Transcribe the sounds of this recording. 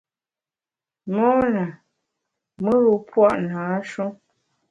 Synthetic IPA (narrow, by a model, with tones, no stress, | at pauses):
mɔ˦na˨ | mə˦ɣu˨pwa˦ʔnaː˨˦ʃu˦